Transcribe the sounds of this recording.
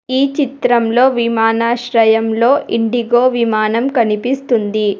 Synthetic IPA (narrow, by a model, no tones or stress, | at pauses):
iːt͡ʃit̪ɾɐmlo̞ːʋimaːnaːʃɾɐjɐmlo̞ːʔiɳɖiɡoːʋimaːnɐmkɐnipist̪und̪i